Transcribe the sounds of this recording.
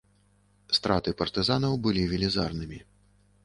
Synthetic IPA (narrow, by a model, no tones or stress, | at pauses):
st̪ɾat̪ɨpɐrt̪ɨzanɐwbɨlʲivʲilʲizarnɨmʲi